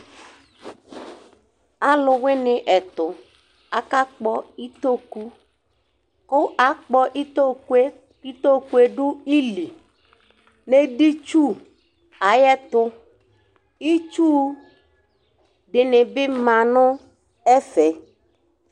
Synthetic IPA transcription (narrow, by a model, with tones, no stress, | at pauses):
a˨lʊ˨wɪ˦nɪ̃˨ʔɛ˨t̪ʊ˨ | a˨ka˦k͡pɔ˦i˦t̪o˦ku˦ | kʊ˦ʔa˨k͡pɔ˦ʔi˦t̪o˦ku˦e˦ | i˦t̪o˦ku˦e˦ɖʊ˦i˦li˨ | ne˦di˦t͡ʃu˦ | a˨jɛ˦t̪ʊ˦ | i˦t͡ʃu˦ | ɖɪ˨nɪ̃˨bɪ˦mã˨nʊ̃˦ | ɛ˦fɛ˨